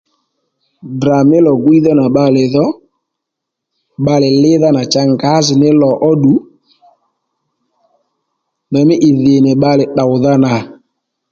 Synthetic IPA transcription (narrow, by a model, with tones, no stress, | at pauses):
bɾa˨mɪ˦lɔ˨ɡwi˦ðɔ˦na˨ɓa˧lɪ˨ðɔ˦ | ɓa˧lɪ˨lɪ˦ða˦na˨t͡ʃa˦ŋɡa˨˦zɪ˨nɪ˦lɔ˨ʔɔ˦ɗu˨˦ | ndɔ˨mɪ˦ʔɪ˨ðɪ˨nɪ˨ɓa˦lɪ˨ɗa˨wða˦na˨